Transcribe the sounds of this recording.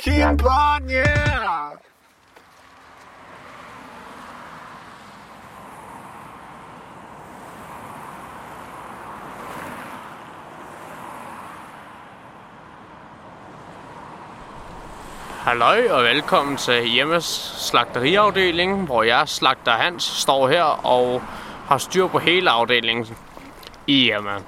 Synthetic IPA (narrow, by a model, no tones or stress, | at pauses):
kʰinbanjæ | hælɒɪɒ̽ʋelkʰɒ̽m̰n̩t͡sʰe̝jeməsːlɑ̈ɡ̥̚d̥əʁiɑ̈ʊd̥e̝̰ːle̝ŋʋɒjɑ̈ɪslɑ̈ɡ̥̚d̥ɐɦæn̰sːd̥ɒ̰ːɦeɐ̰ɒʊhɑ̈sd̥yɐ̰pʰɒ̽ɦe̝ːləɑ̈ʊd̥e̝̰ːle̝ŋ | ijemæ